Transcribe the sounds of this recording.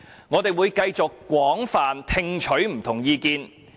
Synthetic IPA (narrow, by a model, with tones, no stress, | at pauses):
ŋɔː˨˧t̪e˨jwuː˨˧jkɐ˧jt͡sʊ˨kːwʷɔː˨˥ŋfaː˨nt̪ʰɪ˧ŋt͡ʃʰɵ˨˥ɥm̩˨˩t̪ʰʊ˨˩ŋjiː˧kiː˧n